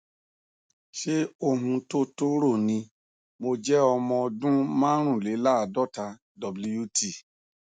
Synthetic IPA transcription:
ʃe˦o˦˧˨ɦũ˧to˦to˦ɾo˦˨nĩ˧ | mo˧d͡ʒɛ˦ɔ˧mɔ̃˧dũ˦mã˦ɾ̃ũ˦˨le˨˦la˦a˨dɔ˦ta˧ | dɔ˨blu˧ju˦ti˦˨

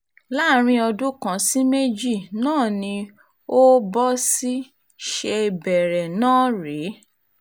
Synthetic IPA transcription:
la˦˨ɾ̃ĩ˧˦ɔ˧dũ˦kã˨si˦me˦d͡ʒi˦˨nãː˦˨nĩ˧ | o˦bɔ˦si˦ | ʃe˧bɛ˨ɾɛ˨nãː˦˨ɾe˨˦

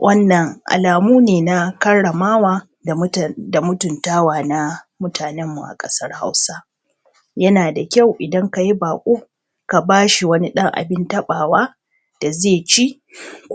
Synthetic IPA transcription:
wʔɐ˦nːɐ˨ŋʔa̰˨laː˨muː˦neː˨na˦kɐ˦ɽɽɐ˨maː˦waː˨˦ | da˨mʊ˦tʊ˨ntaː˦waː˨na˦ | mʊ˦tʰaː˨nɛ˦mːu˨ʔa̰˨kʼɐ˦sɐ˦rha̰˦wsa˦ | jɐ˦naː˨da˨kʲa˦˨wʔɪ˨dɐ˦ŋka˨ji˦baː˨kʷʼoː˦ | ka˨baː˦ʃi˨wɐ˦ni˦ɗɐ˦ŋʔa̰˨bɪ˦ntɐ˦ɓaː˨waː˦ | d̥a˨zeː˦˨t͡ʃi˦ʔ | k

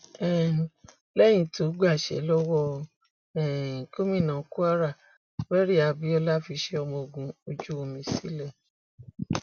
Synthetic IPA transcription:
ɛ˦˨ | lɛ˦j̃ĩ˧˦tʰo˨˦ɡ͡ba˦˨ʃɛ̰˨˦lɔ˦wɔ˦˧ | ɛ̃˨ko˦mĩ˦˨nã˨˦ku˦a˦ɾa˦˨ | bɛ˦ɾi˦a˧bi˨˦ɔ˧la˦˨fi˧˦ʃe˧ɔ˧mɔ̃˧o˧ɡũ˧o˧d͡ʒu˦o˧mĩ˧sḭ˦lɛ˦˨

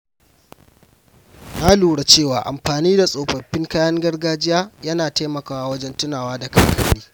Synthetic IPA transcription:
na˦luː˨ɽa˨t͡ʃeː˦˨waː˨ʔa̰˨mɸaː˨niː˦da˨sʼoː˨ɸɐ˨ɸːɪ˦ŋkaː˦jɐ˦ŋɡɐ˦rɡaː˦d͡ʒɪ˦jaː˦jɐ˦naː˨ta˦jmɐ˨kaː˨wa˦wɐ˦d͡ʒɛ˦ntʊ˦naː˨waː˦da˨kɐ˨kɐ˦ɽiː˦

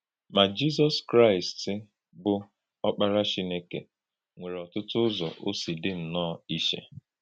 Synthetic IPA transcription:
ma˨d͡ʒi˦z̬ɔ˦skɾa˦˨ɪ˨stɪ˦ | bʊ˨ | ɔ˦k͡pa˦ɾa˦t͡ʃi˦ne˦ke˨ | ŋʷe˨ɾe˨ɔ˨tʊ˦tʊ˦ʊ˦zɔ̰˨ʔo˦si˨dɪ˦n̩˨nɔ˦˨i˦ʃḛ˦

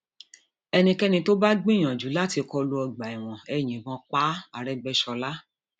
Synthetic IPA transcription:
ɛ˧nĩ˧kɛ˦nĩ˧to˦ba˦ɡ͡bĩ˦˨j̃ã˨d͡ʒu˨˦la˦ti˧kɔ˧lu˧ɔ˧ɡ͡ba˨i˨w̃ɔ̃˨ɛ˧j̃ĩ˨bɔ̃˧˦k͡pa˦a˨ɾɛ˦ɡ͡bɛ˦ʃɔ˧la˦

